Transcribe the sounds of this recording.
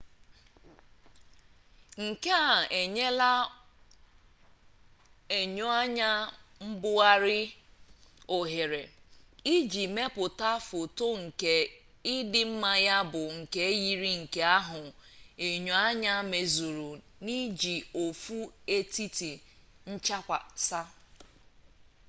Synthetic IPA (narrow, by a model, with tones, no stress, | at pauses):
ŋ̩˨ke˦a˨e˨ɲe˦la˦ | e˨ɲo˦a˦ɲa˦m̩˦bʊ˦a˦ɾɪ˦ | o˨ɦe˨ɾe˨i˦d͡ʒi˨me˦pʊ˨ta˦fo˨to˦ŋ̩˨ke˦ | ɪ˦dɪ˦m̩˦ma˦ja˦bʊ˨ŋ̩˨ke˦ji˨ɾi˦ŋ̩˨ke˦a˦ɦʊ˨e˨ɲo˨˦a˦ɲa˦me˨zu˨ɾu˨ni˦d͡ʒi˨o˨fu˦e˦ti˦ti˨ | n̩˦t͡ʃa˦kʷa̰˨sa˦